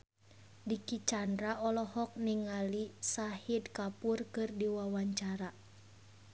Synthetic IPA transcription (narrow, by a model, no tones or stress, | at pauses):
dikit͡ʃandɾaʔɔlɔhɔk̚niŋalisahidkapurkɨrdiwawaɲt͡ʃaɾa